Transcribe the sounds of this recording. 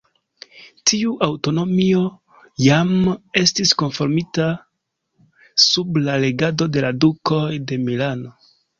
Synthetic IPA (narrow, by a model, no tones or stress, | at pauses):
tʰiuʔawto̞no̞mio̞ | jame̞stisko̞nfo̞ɾmita | sublale̞ɡado̞de̞laduko̞jde̞milano̞